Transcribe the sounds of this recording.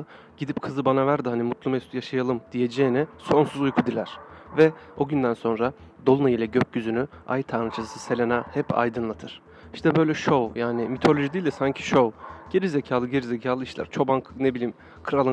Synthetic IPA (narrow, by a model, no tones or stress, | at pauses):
ɟ̥id̪ipkʰɯzɯbanavæɾd̪ihanimut̪lˠumɛst̪jaʃajalˠɯmd̪̥ije̞d͡ʒeːnɛso̞nsuzujkʰud̪ilʲæɾ̥vɛo̞ɟynd̪ænso̞nɾa | d̪o̞lˠunajilʲɛɟøc̚ɟyzyny | a̰jt̪ʰaːnɯt͡ʃʰassɯse̞lʲenahɛpa̰jd̪ɯnlˠat̪ʰɯɾ̥ | iʃt̪ʰɛbø̞jlʲɛʃo̞wjaːnɪmit̪ʰo̞lʲo̞ʒid̪iːlʲd̪ɛsaɲcʰi̥ʃo̞ɟ̥e̞ɾizecʰaːlˠɯɟe̞ɾizecʰaːlˠɯiʃlʲæ̰ɾ̥t͡ʃʰo̞baŋknebilʲiːm | kʰɯɾalˠɯ